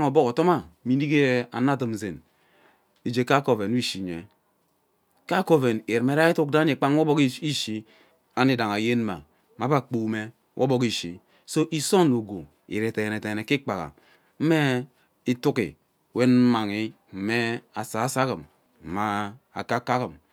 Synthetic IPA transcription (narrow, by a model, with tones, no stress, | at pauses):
ŋo˨bo˦ko˨tɔ˦ma˦mi˨ni˦ɡe˦a̰˨na˦˨tɨ˨m˨ze˨n | i˨d͡ʒe˨ka˦ko˦˨ve˨n˦i˦ʃi˨ɲḛ˨ | ka˦ko˦ve˨ne˨me˨˦ɾa˦i˦tu˦k̚da˦ɲe˨k͡pa˦ŋ˦o˦bɔ˦ki˦i˦ʃi˨ | a˦ni˦da˨ŋa˨je˦n˦ma̰˨ | ma˨˦ba˦˨k͡pu˦˨˦me˦ | wʔo̰˦bo˦ki˦ʃḭ˨ | so˦ʔi˦so˦no˨ɡo˨ | ḭ˨ɾe˨te˨ne˨te˨ne˨ki˦k͡pa˨ɣa̰˨ | m̩˦me˦ | i˦tu˦kḭ˨ | we˦n̩˦ma˨ŋi˦ | m̩˦me˦a˨sa˨˦sa˦ki˨m˨ | ma˨ | a̰˨ka˦ka˦kɨ˨m